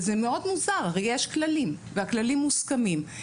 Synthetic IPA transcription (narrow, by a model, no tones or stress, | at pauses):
zemeod̪muzaʁaʁejjeʃklalimveaklalimːuskamim